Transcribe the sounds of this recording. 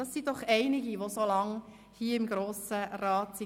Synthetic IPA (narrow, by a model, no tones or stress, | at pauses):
ɑsːid̥ɔχɛɪnɪɡiʋosolɑŋ | hiːəɪmɡɾoːsəɾɑːtsi